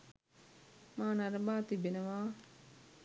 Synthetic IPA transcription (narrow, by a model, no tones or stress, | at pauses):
maːnɐɾəbaːt̪ibenəʋaː